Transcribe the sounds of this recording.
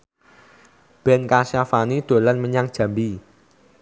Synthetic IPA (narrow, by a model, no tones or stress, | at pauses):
b̥ɛnkaʃafanid̪̥o̤lanməɲaŋd̥ʒ̥a̤mbi